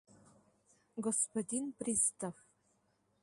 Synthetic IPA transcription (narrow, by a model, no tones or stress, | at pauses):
ɡɔspɐdʲinprist̪ʰaf